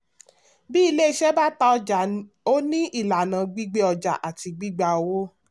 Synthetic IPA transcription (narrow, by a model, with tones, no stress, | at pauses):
bi˦i˧le˦i˧ʃɛ˦ba˦ta˧˦ɔ˧d͡ʒa˨ | o˦nĩ˦ʔi˦˨la˨nã˨ɡ͡bi˦ɡ͡be˦ɔ˧d͡ʒa̰˨ʔa˨ti˨˧ɡ͡bi˦ɡ͡ba˧o˧wo˦